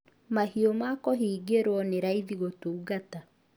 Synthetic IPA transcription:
mahiomakɔɦiɡeɾwɔneɾaiðiɣotouɣata

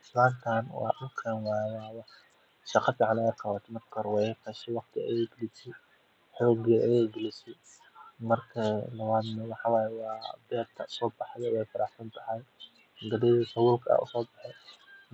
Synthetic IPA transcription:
slaːnt̪ʰaːnwɑ̰ːʔʊqʰɛːnwaːjɛwɑːwɑħ | ʃɑqɑfɪʕɑnɛːqʰɑwat̪ʰmɐt̪kʰɔɾwɛqɛʃɛwɑqt̪ʰɪɐ̰jɛjɡɪlɪsɛ | ħɔːɡiɐʔɐjɛjɡɪlɪsɛ | mɐrkʰɐlɐβaːd̪nɐwɑħɑːwaːjɛwɑːbɛːd̪kʰɐʊ̥sɔːbɑħðɛwɛjfɐɾʔɑħsɐnt̪ʰɐɦɐj | ɡɐdɛðifɐwʊːlkʰɐɐ̰ʔʊ̰sɔːbɑħɛ

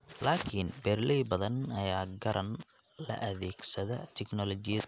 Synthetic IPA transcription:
laːkʰinbɛːrlɛjbɐðɐnɐjaːɡɐɾʔɐn | lɐ̰ʔɐðɛːɡsɐðɐt̪ʰɛknɔlɔt͡ʃɪj

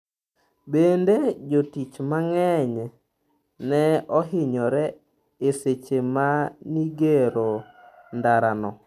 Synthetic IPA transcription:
bended͡ʒotit͡ʃmaŋɛɲ | nɛɔɦɪɲɔɾɛ | eset͡ʃemaniɡeɾo | ndaɾanɔ

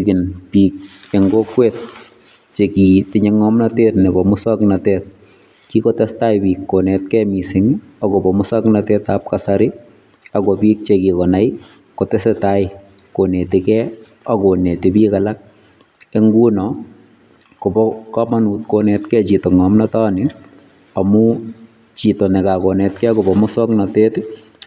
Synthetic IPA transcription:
kɪnpik̚ | eŋɡokwɛːt̚ | t͡ʃekitɪɲɛŋɔmnatɛːtnɪbɔmʊsɔknatɛːt̚ | kikɔtɛstaɪpiːkːonɛt̚kɛmisɪŋ | akɔpɔmʊsɔknatɛːtap̚kasaɾɪ | akɔpiːk̚t͡ʃekikɔnaɪ | kotɛsɛtaɪ | konetɪkɛ | akonetɪpiːkalak̚ | eŋɡuːnɔ | kopɔkamanuːtkonɛtkɛt͡ʃitoŋɔmnɔtanɪ | amu | t͡ʃitonɛkakonɛt̚kɛkɔbɔmʊsɔknateːt

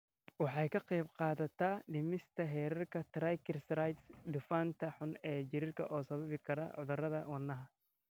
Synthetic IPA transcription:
wɑħɑjkʰɐqɑjbqɑːðɐt̪ʰɐɖɪmɪst̪ʰɐɦɛːɾɐrkʰɐt̪ɾajkʰɪrsrajt̪sd̪ɪfaːnt̪ʰɐħʊnɛːt͡ʃɪɾɪrkʰɐʔɔːsɐβɐβɪkʰɐɾɐ̰ʕʊðʊrɐðɐwɐnːɐɦɐ

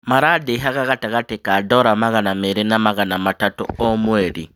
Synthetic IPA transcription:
maɾadeɦaɣaataɣatekadoɾamaɣanameɾinamaɣanamatatṵomweːɾḭ

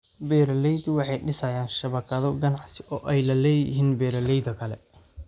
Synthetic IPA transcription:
bɛːɾɐlɛjd̪wɑħɑjɖɪsɐjaːnʃɐβɐkʰɐðɔɡɐnɑʕsɪʔɔːʔɛjlɐlɛːjɪɦiːnbɛːɾɐlɛjd̪ɐkʰɐlɛ

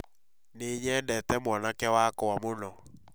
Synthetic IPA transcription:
neɲɛːndɛtɛmwɔnakɛwakɔwamonɔ

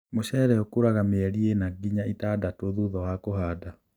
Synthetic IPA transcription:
moɕɛːɾɛɔkoɾaɣameɛɾienaɡiɲaitaːdatoðuðɔwakoɦaːda

